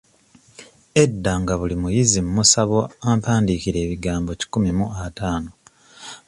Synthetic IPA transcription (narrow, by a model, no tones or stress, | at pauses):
e̞dːaŋɡaβulimujizimumusaβo̞ampaːndikiɾe̞ːβiɡaːmbo̞ci̥kumimuataːno̞